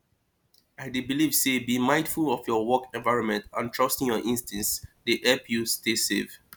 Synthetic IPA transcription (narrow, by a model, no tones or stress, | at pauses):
aɪdebilivsebimãɪ̃dfulɔfjɔwɔkɛ̃nvaɪɹɔ̃nmɛ̃ntãntʰɹ̥ʌstɪ̃ŋjɔʔĩnstʰɛ̃nsdeʔɛlpjustesḛv